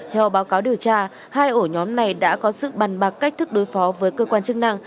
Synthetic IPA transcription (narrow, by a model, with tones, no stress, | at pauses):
t̪ʰɛ˧wɓaː˨˦wkaː˨˦wɗi˨˩əwt͡ɕaː˧ | haː˧jʔo˧˩ɲɔ˨˦mna˨˩jɗa̰ː˧˥kɔ˨˦sɨ̰˧˨ɓaː˨˩nɓa˨˩k̚ka˦˥k̟̚t̪ʰɨ˦˥k̚ɗo˨˦jfɔ˨˦vəː˨˦jkəː˧kwaː˧nt͡ɕɨ˦˥k̚na˧ŋ